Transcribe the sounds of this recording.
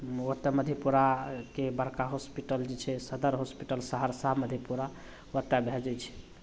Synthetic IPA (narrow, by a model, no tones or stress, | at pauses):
wət̪ːjeməd̪ʱjepuɾakebəɾkaɦospiʈəld͡ʒet͡ʃʰɛsəd̪əɾɦospiʈəlsəɦəɾsaɦməd̪ʱjepuɾa | wət̪ːjabʱed͡ʒɛt͡ʃʰɛ̥